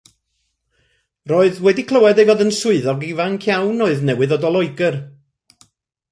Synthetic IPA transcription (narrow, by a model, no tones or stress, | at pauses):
roːɨðwɛdikʰlˠəwɛdejvoːðənsʊɨðɔɡivaŋkʰjawnoɨðnɛwɨðɔdɔlˠɔɨɡər